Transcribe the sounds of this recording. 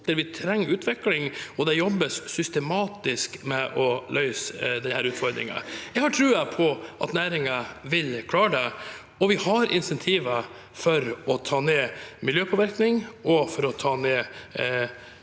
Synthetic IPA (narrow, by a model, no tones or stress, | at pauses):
ɛɾʋɪt̪ʰɾɛŋːʉːt̪ʰʋɪklɪŋɔd̪ɛjɔbːəssʏst̪ɛmɑːt̪ɪskmɛʔɔlʔœʏsd̪ɛhæːɾʉːt̪fɔɾd̪ɾɪ̰ŋə̰jɛɡhɑʈʰɾʉːəpʰɔʔɑ̰t̪næːɾɪŋɑʋɪlkʰlɑːɖɛ | ɔʋɪhɑɾʔɪ̰nsɛnt̪ʰiːʋə | fɔɾɔt̪ʰɑːneːmɪljøːpʰɔːʋɪɾknɪŋɔfɔɾɔt̪ʰɑːneː